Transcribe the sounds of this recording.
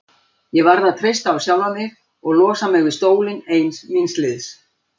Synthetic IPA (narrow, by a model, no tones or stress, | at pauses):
jɛvaɾðat̪ʰɾejst̪aːwsjawlvamɪɣ | ɔɣlɔːsamɪɣvɪðst̪oːwlɪnejnsminslɪðs